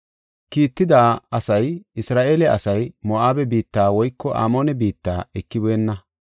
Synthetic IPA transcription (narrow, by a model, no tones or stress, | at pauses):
kiːt̪ːɪd̪aːɐsɐjɪsɾaːʔeːlɛɐsɐjmɔʔaːbɛbiːt̪ːaːwɔjkːɔʔa̰ːmo̞ːnɛbiːt̪ːaːɛkːɪbeːnːɐ